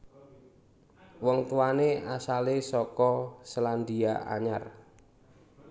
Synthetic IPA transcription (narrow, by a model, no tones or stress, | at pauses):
wɔŋt̪uwaneʔasalesɔkɔsəland̪ia̰ʔa̰ɲar